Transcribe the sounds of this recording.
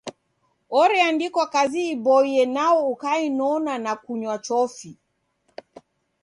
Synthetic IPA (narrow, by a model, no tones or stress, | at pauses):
ɔɾɛandikɔakaziːbɔiɛnaɔukainɔnanakuɲwat͡ʃɔfi